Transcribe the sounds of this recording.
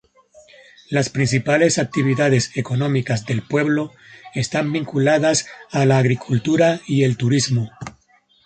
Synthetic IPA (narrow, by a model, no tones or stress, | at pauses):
laspɾins̬ipale̞sak̚t̪iβ̞iðaðeseko̞nõ̞mikazðe̞lpwe̞βlo̞ | est̪ambiŋkulaðasalaːɣɾikʰult̪uɾaie̞lt̪uɾizmo